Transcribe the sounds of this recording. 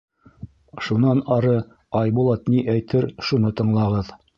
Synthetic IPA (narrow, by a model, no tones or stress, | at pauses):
ʃunɑnɑɾɤ | ɑjbulˠɑt̪niʔæjt̪ʰɘɾʃunɤt̪ɤ̆ɴlˠɑʁɤð